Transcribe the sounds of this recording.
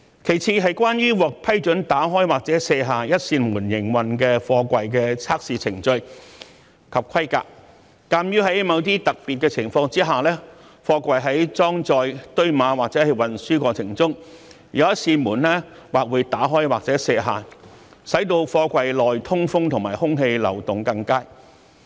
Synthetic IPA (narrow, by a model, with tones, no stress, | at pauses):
kʰe˨˩jt͡sʰiː˧ɦɐ˨jkwaː˥njyː˥wɔː˨k̚pʰɐ˥jt͡ʃɵ˨˥nt̪aː˨˥ɦɔː˥jwaː˨˩k̚t͡sɛː˨˥sɛː˧ɦaː˨jɐ˥t̚siː˧nmuː˨˩njɪ˨˩ŋwɐ˨nkɛː˧fɔː˧kʷɐ˨jk̬ɛː˧t͡sʰaː˥k̚siː˨˧t͡sʰɪ˨˩ŋt͡ʃɵ˧ɥ | kʰɐ˨p̚kʰɐ˥jka̰ː˧k̚ː | aː˧mjyː˥ɦɐ˨˥jmɐ˨˧wt̪̬iː˥t̪ɐ˨k̚pi˨t̚kɛː˧t͡sʰɪ˨˩ŋfɔː˧ŋt͡siː˥ɦaː˨˩lɛː˥ | fɔː˧kʷɐ˨jɦɐ˨˥jt͡sɔː˥ŋt͡sɔː˧jt̪ɵ˥ɥmaː˨˧waː˨k̚t͡sɛː˨˥hɐ˨˩jwɐ˨nsyː˥kʷɔː˧t͡sʰɪ˨˩ŋt͡sʊ˥ŋ | jɐ˨˧wjɐ˥t̚siː˧nmuː˨˩nlɛː˥ | waː˨k̚wuː˨˧jt̪aː˨˥ɦɔː˥jwaː˨k̚t͡sɛː˨˥sɛː˧ɦaː˨ | sɐ˨˥jt̪̬o˧wfɔː˧kʷɐ˨jlɔː˨jt̪ʰʊ˥ŋfʊ˥ŋt̪ʰʊ˨˩ŋmaː˨˩jhʊ˥ŋɦe˧jlɐ̰˨˩wt̪ʊ˨˩ŋkɐ˧ŋkaː˥j